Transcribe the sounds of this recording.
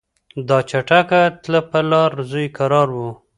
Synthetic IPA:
d̪ɑt͡ʃaʈakat̪lapalɑɾzujkaɾɑɾwu

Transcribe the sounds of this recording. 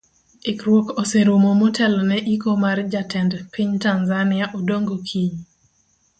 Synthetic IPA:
ekɾwokoseɾomomotʰɛlɔnɛʔikomard͡ʒatɛndpiɲtanzanɪaʔodoŋɡokʰiɲ

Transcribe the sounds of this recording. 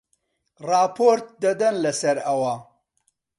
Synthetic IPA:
rɑːpʰoɾt̪̚d̪ɐd̪ɐnlɐsɐɾɐwɐ

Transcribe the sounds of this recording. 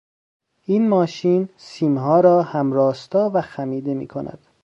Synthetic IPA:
ʔiːnmɒːʃiːnsiːmɦɒːɾɒːhæmɾɒːst̪ɒːvæxæmiːd̪e̞mḭːkʰonæ̰d̪̥

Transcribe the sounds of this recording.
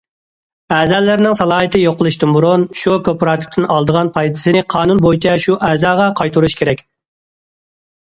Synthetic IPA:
ɛːzɛlːɪɾnɪŋsɑlˠɑːɦɨt̪ʰɨjoqəlˠɨʃt̪ɪnbuɾunʃukʰʲøpɾɑːt̪ʰɪ̥p̚t̪ʰɪnɑlˠd̪əʁɑnpʰɑjt̪ʰɪ̥sɨnɪqʰɑːnunbojit͡ʃʰɛʃuʔɛːzɑːʁɑqʰɑjt̪uɾuʃkʲeɾɛkʲ

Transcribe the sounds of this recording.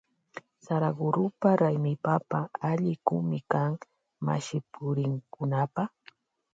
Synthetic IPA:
saɾaɡʊɾʊpaɾajmɪpapaaʎɪkʊ̰mɪkaŋ | ma̰ʃɪpʰʊɾɪŋkʊnapaχ

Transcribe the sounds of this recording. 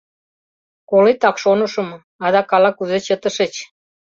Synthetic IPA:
kolet̪ɑkʃonə̆ʃɤ̆m | ɑd̪ɑkɑlɑkuzet͡ɕət̪ə̆ʃet͡ɕ

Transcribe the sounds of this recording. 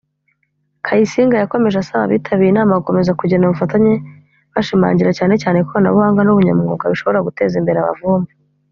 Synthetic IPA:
kʰajisiːŋɡajako̞me̞ʒasaβa̰βḭːtʰaβiinaːmaβuko̞me̞zakuɟenaβufataɲe̞ | βaʃima̰ːɲɟiɾacaːne̞caːne̞koβana̰βuhaːŋɡanuβuɲa̰muŋɡoːɡaβiʃo̞βo̞ɾaɡute̞ːzimbe̞ɾeaβa̰vuːmbu

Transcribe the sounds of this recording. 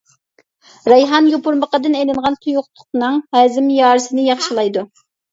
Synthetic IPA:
ɾɑjɦɑnjopuɾməqəd̪ɨnɛjlɪŋʁɑnt̪ʰujuχt̪ʰʊ̥qnɨŋhæːzɪmjɑːɾɨsɪnɪjɑχʃilˠɑjd̪u

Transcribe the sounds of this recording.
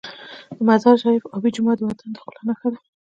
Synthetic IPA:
d̪̥əmazɑɾʃɑjɪfɑbid͡ʒʊmɑd̪əwat̪ʰand̪ə̥xəlanaxad̪a

